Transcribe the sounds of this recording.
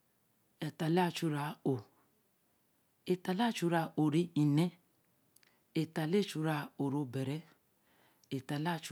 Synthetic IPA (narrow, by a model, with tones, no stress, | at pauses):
e˨ta˨la˦˧t͡ʃu˧ɾa˧o˨ | e˨ta˨la˦˨t͡ʃu˧ɾa˧o˨ɾi˧˦i˨nɛ˦ | e˨ta˨le˦˨t͡ʃu˧ɾa˧o˨ɾo˧bɛ˨ɾɛ˦ | e˨ta˨la˦˧t͡ʃ